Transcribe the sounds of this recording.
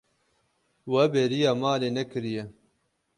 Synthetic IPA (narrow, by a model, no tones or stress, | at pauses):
wɐbeɾijaːmaːleːnɛkɨɾijɛ